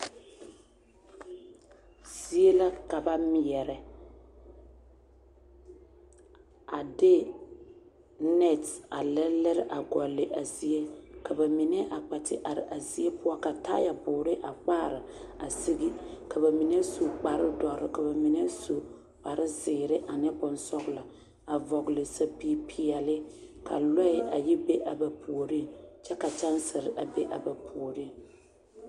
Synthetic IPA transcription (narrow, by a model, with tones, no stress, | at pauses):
z̥i˦e˦la˦ka˨ba˦mɪ˨jɛ˨ɾɛ˨ | a˨dɪ˦ | nɛ˦˨ta˨lɛ˦lɛ˦ɾɪ˦ʔa˨ɡɔ˨lːɪ˨ʔa˨zi˨e˦ka˨ba˨mi˨nɛ˦ʔa˨k͡pa˨tɪ˦ʔa˨ɾɪ̰˨ʔa˨zi˨˦e˦pʊ˦ɔ˦ka˨ta˦ja˨bʊː˨ɾɪ˦ʔa˨k͡paː˦˨ɾɪ˨a˨si˦ɡi˦ka˨ba˨mi˨ne˦su˨k͡pa˨ɾɪ˦dɔ˨ɾɪ˨ka˨ba˨mi˨nɛ˦so˨ | k͡pa˨ɾɪ˦zɪː˨ɾɪ˦ʔa˨nɪ˦bʊ˨nsɔ˦ɣla˨ | a˨vɔ˨ɡlɪ˨sa˦pi˦pʰi˨ɛ˨lɪ˦kʰa̰˨lɔ˦ɪ˨ʔa˨ji˦be˦ʔa˨ba˨pʰu˨o˨ɾi˦t͡ʃɛ˦ka˨t͡ʃa˦nsɪ˨ɾɪ˨ʔa˨be˦ʔa̰˨ba˨pʰu˨ɾi˦